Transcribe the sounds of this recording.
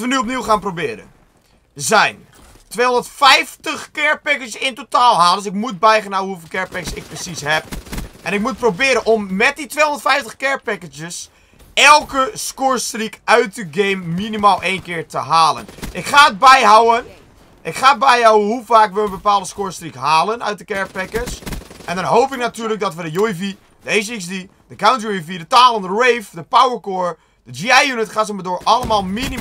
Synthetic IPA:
tʋənyop̬niwxaːnprobɪəɾə̰n | zɛjn | tʋeːondətfɛjftəxkɪɹpɛkəsɪntotaːlˠɦaːlˠədsɪkmut̚bɛjχənawəhufɪlˠkɛɹpɛkəsɪk̚prəsisɦɛp̚ʔɛnɪk̚mut̚probɪəɾənʔomːɛt̚ditʋeːɦondətfɛjftəxkɛɹpɛkətjəs | ɛlˠkəskoːɹstrikœɥtəɡeːmːinimaːlˠʔeːjnkɪːɹtəɦaːlə̰nʔɪkχaːət̚bɛjɦawən | ʔɪkχaːəd̚bɛjɦawəɦufaːkʋəənbəpaːlˠdəskoːɹstrikɦaːlˠənœ̰ɥt̚dəkɛɹpɛkəsʔɛ̃ndɔnɦowpɪknatyːɹlək̚dɔtʋədəjuifi | d̥əes̬isdi | d̥əkawnt̬jifidətaːlˠəndərejfdəpawəɹkoːɹ | d̥əd͡ʒiajjunɪtχaːz̬əmədoːɹʔɑləmaːlˠmini

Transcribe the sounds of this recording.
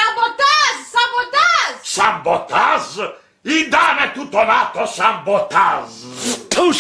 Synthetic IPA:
ambɔt̪azsambɔt̪azsambɔt̪az | id̪anɛt̪ːut̪ːɔnat̪ːɔsambɔt̪aztʰo

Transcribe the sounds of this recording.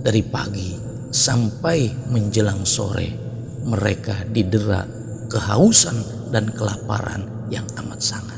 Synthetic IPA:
daɾipaɡi | sampajməɲd͡ʒəlaŋso̰ɾɛ̰ | məɾekadidəɾa̰ʔ | kəɦausan | dankəlapa̰ɾa̰n | jaŋamat̪̚saŋat̪̚

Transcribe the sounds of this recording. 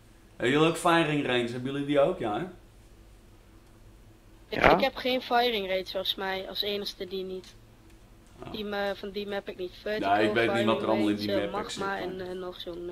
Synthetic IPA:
ɛjulˠowkfɛjrɪŋrejnsɛbjulˠjədiowkjaɛ | ɪɪkhɛpχeːnfɛjrɪŋreːtsosmɛjɔ̰lˠseːnəxstədinit | dimfɔndimɛpɪknitfønaɪkʋejtnitʋɔtərɔlˠməlˠɪndimɛpmɛsmaɛnnːoxsun

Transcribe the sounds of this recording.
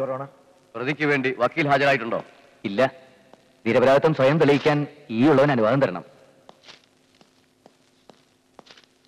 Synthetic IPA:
pɐroːɳɐ | prɨðikʲːuʋe̞ːɳɖiʋɐkːiːlɦaːd͡ʑɐɾaːjiʈ̬ːuɳɖo̞̰ː | ilːɐ | niɾɐbɐɾaːdɐt̪ːɐmsʋɐjɐmt̪iɭɐjikʲːaːniːuɭːɐʋɐnɐnuʋaːd̪ɐmt̪ɐɾɐɳɐ̰m

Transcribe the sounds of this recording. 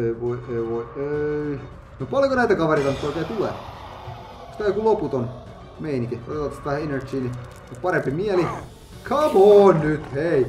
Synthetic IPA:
eiʋoieiʋoiei | nopɑljokonæit̪ækɑʋereit̪ɑnyt̪ːoikeːt̪ulḛ | koskɑikuloput̪on | meiniŋkiot̪et̪ːɑt̪st̪ʋæhæenert͡ʃiːni | opɑɾempimiæli | kʰɑʋoːnnyt̪hei

